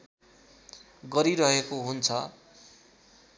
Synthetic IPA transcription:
ɡʌɾiɾʌɦekoɦunt͡sʰʌ

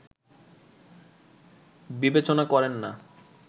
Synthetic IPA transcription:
bibet͡ɕonakɔɾenːa

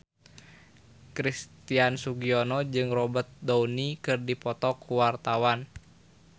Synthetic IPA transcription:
kɾist̪iansuɡiɔnɔd͡ʒɨŋrɔbət̪̚dɔunikɨrdipɔt̪ɔkuwart̪awan

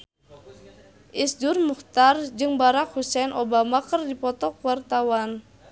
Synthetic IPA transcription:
ʔisdurmuht̪ard͡ʒɨŋbaɾak̚husɛnʔobamakərdipɔt̪ɔkuwart̪awan

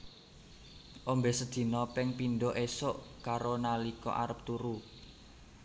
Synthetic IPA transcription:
ʔombesə̥d̪̥i̤nɔpɪŋpinɖɔʔesoʔkaɾonalikɔ̰ʔa̰ɾəp̚t̪uɾu

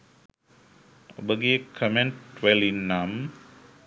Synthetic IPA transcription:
o̰bəɡiekʰəmeɳʈʋelinːam

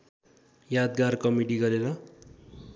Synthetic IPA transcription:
jad̪̚ɡarkʌmiɖiɡʌɾeɾʌ

